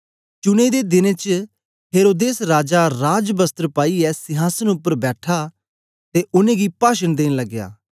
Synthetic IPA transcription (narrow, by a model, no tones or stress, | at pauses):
t͡ʃʊnẽːd̪eːd̪ɪnẽːt͡ʃ | ɦeːɾoːd̪eːsɾaːd͡ʒaɾaːd͡ʒbəst̪əɾpaːiɛːsɪɦaːsənʊpːəɾbɛːʈʰaː | t̪eːʊnẽːɡiːpaːʃənd̪eːnləɡja̰ː